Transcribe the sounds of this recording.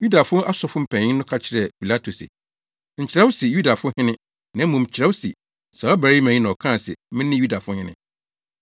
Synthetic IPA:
ju˦da˨fʊ̃˦ʔa˦sɔ˨fʊ˦m̩˨pʰæ̃˨ɲɪ̃˦nʊ̃˦kʰa˦t͡ɕʰɪ˨ɾɛ˨pʰi˨la˦tʰo˨sɪ̰˨ | ɲ̩˨t͡ɕʰɪ˨ɾa˦wʊ˦si˨ju˦da˨fʊ˦ʊ̃˦hɪ̃˦nɪ̃˦ | nã˨˦mũ˨m˨t͡ɕʰɪ˨ɾa˦wsḭ˨ | sɛ˨ɔ˦bæ˨˦i˦mæ̃˨ɲĩ˦nã˨ɔ˨kʰãː˦˨sɛ̰˨mɪ̃˦nɪ̃˦ju˦da˨fʊ̃˦hɪ̃˦nɪ̰̃˦

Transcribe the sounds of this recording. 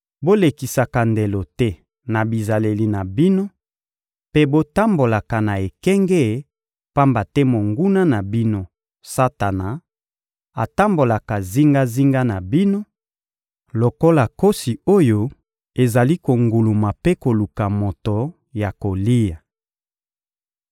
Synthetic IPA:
bo˦le˨ki˨sa˨ka˨nde˨lo˨tɛ˦ | na˨bi˨za˨le˨li˨na˨bi˦no˦ | pe˦bo˦ta˦mbo˨la˨ka˨na˨e˨kɛ˦ŋɡɛ˦˨˦ | pa˦mba˨tɛ˦mo˨ŋɡu˦na˦na˨bi˦no˦ | sa˦ta˨na˨ | a̰˨ta˦mbo˨la˨ka˨zi˦ŋɡa˦zi˦ŋɡa˦na˨bi˦no˦ | lo˨ko˦la˨ko˦si˨o˦jo˦ | e˨za˨li˦ko˨ŋɡu˨lu˨ma˨pe˦ko˨lu˨ka˨mo˨to˨ | ja˨ko˨li˦ja˨

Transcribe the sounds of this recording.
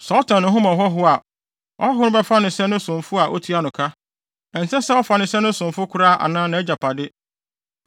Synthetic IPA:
sɔ˦tʰã˨nʊ̃˨ɦʊ̃˦mã˨ɦɔ˦ɦʊ˦a˨ | ɔ˦ɦʊ˦nʊ̃˦bɛ˦fa˦nɪ̃˨sɛ˦nʊ̃˦sʊ̃˨mfʊ˦a˨ʔo̰˦tʰi˦a˦nʊ̃˨kʰa˦ | ɛ̃˨n˨sɛ̃˦sɛ˦ɔ˦fa˨nɪ̃˨sɛ˦nʊ̃˦sʊ̃˨m˨fʊ˦kʰʊ˦ɾaː˦˨ʔa̰˨nãː˦nã˨ɛ˦d͡ʑa˨pʰa˨dɪ˦

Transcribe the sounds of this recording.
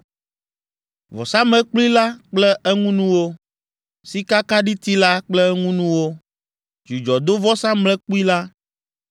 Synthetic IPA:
vɔ̰˨sã˦mɛ̃˦k͡pli˦la˦k͡plɛ˦ɛ˦ŋũ˦nũ˦wo˦ | si˦ka˦ka˦ɖi˦t̪i˦la˦k͡plɛ˦ŋũ˦nũ˦wo˦ | d͡ʒi˨d͡ʒɔ˨d̪o˦vɔ˦sã˦mlɛ˦k͡pu˦i˦la˦

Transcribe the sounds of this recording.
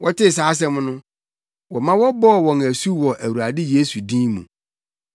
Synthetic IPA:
wʔɔ˦tʰɪ˦˨s̬aː˨˦s̬ɛ̃˦mʊ̃˦nʊ̃˦ | wɔ˨mã˦wɔ˦bɔː˦˨wɔ̃˨næ˨su˦wɔ˨ʔæ˨wu˨ɾa˨dɪ˦je˦su˨dĩ˦mṵ̃˨

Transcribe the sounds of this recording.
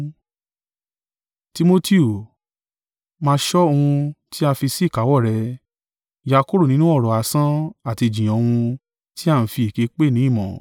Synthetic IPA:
ti˧mo˧ti˦u˨ | mãː˦˧˦ʃɔ˦o˧hũ˧tʰi˦a˧fi˧si˦˨ka˨˦wɔ˦˨ɾɛ˧ | ja˧ko˦ɾo˦˨nĩ˦nũ˦ɔ˦˨ɾɔ˨a˨˦sã˦a˦˨ti˧d͡ʒĩ˨j̃ɔ̃˨˧hũ˧ | ti˦a˦˨n̩˨˦fi˧i˨ke˨˦k͡pe˦˨nĩ˨˦i˦˨mɔ̰̃˨

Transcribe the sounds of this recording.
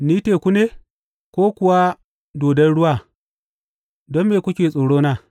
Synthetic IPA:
niː˦teː˨kʷu˦neː˦ | kʷoː˦kʷʊ˨wa˦ | doː˨dɐ˦nɽʊ˦waː˦˨ | dɔ˦mːeː˨kʷʊ˦kʲeː˨sʼoː˨ɽoː˦naː˦˨

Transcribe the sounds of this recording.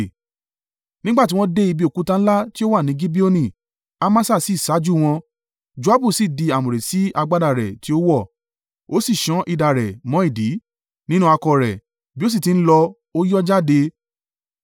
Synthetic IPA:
nĩ˦ɡ͡ba˦˨ti˨˦w̃ɔ̃˦de˦i˧bi˧o˨ku˨˦tã˧n̩˦la˦ti˦o˦wa˦˨nĩ˨˦ɡi˦bi˦o˦nĩ˦˨ | a˦mã˦sa˦˨si˦˨sa˨˦d͡ʒu˦˨w̃ɔ̃˧ | d͡ʒu˨˦a˨˦bu˦˨si˨di˧a˨mõ˨ɾe˨si˨˦a˧ɡ͡ba˦da˦˨ɾɛ˨ti˨˦o˦wɔ˦˨ | o˦si˦˨ʃɔ̃˨˦ʔi˧da˨ɾɛ˨mɔ̃˨˦i˦˨di˨˦ | nĩ˦nũ˦a˧kɔ˧ɾɛ˨ | bi˦o˦s̬i˦˨ti˨n̩˦lɔ˧ | o˦jɔ˦d͡ʒa˦de˧

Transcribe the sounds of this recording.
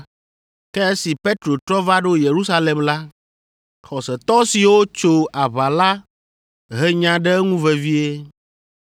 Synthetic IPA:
kɛ˦e˦si˨pe˦t̪ɾo˨t̪ɾɔ˦va˦ɖo˦je˨ɾu˦sa˦le˨mla˦ | xɔ˨sɛ˨t̪ɔ˦si˨wo˦t͡ʃo˦a˨βa˨la˦ | ɦɛ˦ɲã˨ɖɛ˦ŋũ˦vɛ˨vi˦e˦

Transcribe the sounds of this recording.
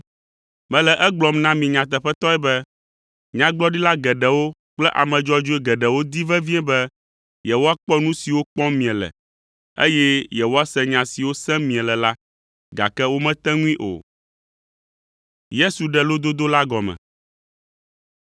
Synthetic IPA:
mɛ̃˨lɛ˨ʔɛ˦ɡ͡blɔ˨mnã˦mĩ˨ɲã˨t̪̬ɛ˨ɸɛ˦t̪ɔ˦ɛ˦bɛ˦ | ɲã˦ɡ͡blɔ˦ɖi˦la˦ɡɛ˨ɖɛ˨wo˦k͡plɛ˦ʔa̰˨mɛ̃˨d͡ʒɔ˦d͡ʒo˦ɛ˦ɡɛ˨ɖɛ˨wo˦d̪i˦vɛ˦vĩ˦ɛ̃˦bɛ˦ | jɛ˨wo˦a˦k͡pɔ˦nũ˦si˨wo˦k͡pɔ̃˦mĩ˨ɛ̃˨lɛ̰˨ | ḛ˦jɛ˦jɛ˨wo˦a˦sɛ̃˦ɲã˨si˨wo˦sɛ̃˦mĩ˨ɛ̃˨lɛ˨la˦ | ɡa̰˨kɛ˦wo˦mɛ̃˦t̪ɛ̃˦ŋũ˦ĩ˦ʔo̰˨ | je˦su˨ɖɛ˨lo˦d̪o˦d̪o˦la˦ɡɔ˨mɛ̰̃˨

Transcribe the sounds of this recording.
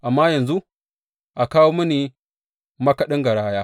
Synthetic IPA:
ʔa˨mːaː˦jɐ˨nzu˦ | ʔa˨kaː˦woː˦mɐ˦niː˨ | mɐ˦kɐ˦ɗɪ˦ŋɡɐ˨ɽaː˦jaː˦

